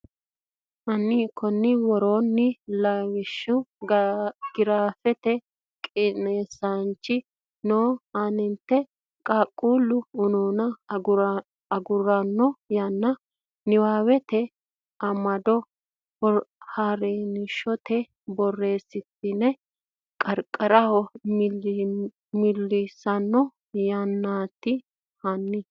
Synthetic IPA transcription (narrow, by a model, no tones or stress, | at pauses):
ʔɐnːiːkːɔnːɪwɔɾo̞ːnːɪlawɪʃːʊ | ɡ̥ɪɾaːfɛt̪ɛ | kʼɪneːsant͡ʃːɪ | noːanɪnt̪ːɛ | kʼaːkʼːuːlːʊʊnoːnɐ | ɐɡʊɾɐnːɔjɐnːɐ | nɪwaːwɛt̪ɛ | ɐmɐd̪ɔ | ɔhaːɾeːnɪʃɔt̪ʰɛ | bɔrːe̞ːsːɪt̪ːɪnɛ | kʼɐɾkʼːɐɾɐhɔ | mɪlːɪsɐnːɔ | jɐnːaːt̪ːɪ | hɐnːɪ